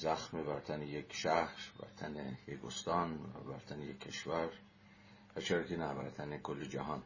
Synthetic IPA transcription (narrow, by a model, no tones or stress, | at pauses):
zæxmebæɾt̪ʰænejekʃæhɾbæ̰ɾt̪ʰænejekost̪ɒnæ̰bæɾt̪ʰænejekʰːe̞ʃvæɾ | væt͡ʃʰeɾɑkenæbæ̰ɾt̪ʰænekʰolːed͡ʒæɦɒːn